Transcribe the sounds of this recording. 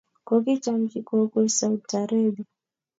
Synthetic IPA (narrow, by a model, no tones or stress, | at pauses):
kɔkit͡ʃamkikɔkɛsauaɾabi